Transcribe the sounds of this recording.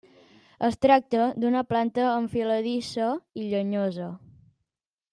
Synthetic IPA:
əst̪ɾak̚t̪əd̪unəplant̪əːɱfiləðisəiʎəɲozə

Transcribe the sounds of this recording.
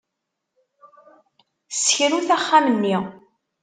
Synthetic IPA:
sçɾuθæχːaməmːiʁ

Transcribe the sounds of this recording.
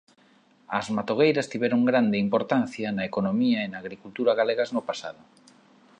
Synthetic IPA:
ɐzmat̪oɣ̞ejɾɐst̪iβɛɾoŋɡɾand̪ɪimpoɾt̪an̟θjɐnɐekonomiɐenaːɣɾikult̪uɾɐɣaleɣaznopasa̰ðʊ

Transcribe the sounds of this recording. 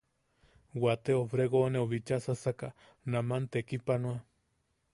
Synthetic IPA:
wat̪eofɾeɣoneoβit͡ʃasasaka | namant̪ekipanwa

